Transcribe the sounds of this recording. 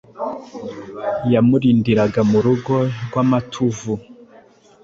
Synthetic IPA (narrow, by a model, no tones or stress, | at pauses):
jamuɾiːndiɾaɡamuɾuɡo̞ɾɡwamatʰuvu